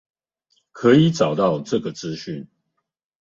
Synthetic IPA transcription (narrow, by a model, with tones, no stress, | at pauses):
kʰə˨˦i˨˦ʈ͡ʂɑ˨˩ʊt̪ɑ˥˨ʊʈ͡ʂɤ˥˨ɡə˩t͡sɹ̩˦ɕy˥˨n